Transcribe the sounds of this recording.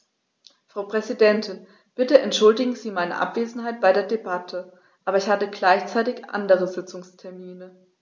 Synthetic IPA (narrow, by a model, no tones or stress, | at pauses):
fʁ̥aʊpʁ̥ɛzidɛntʰɪn | b̥ɪtəɛntʃʊldɪɡŋ̩ziːmaɪnə̰ʔa̰pv̥eːzn̩haɪt̚b̥aɪɾeːɐdebatʰə | ʔaːbɐɪçhatəɡlaɪçt͡saɪtɪçʔa̰ndəʁəzɪt͡sʊŋstʰɛɐmiːnə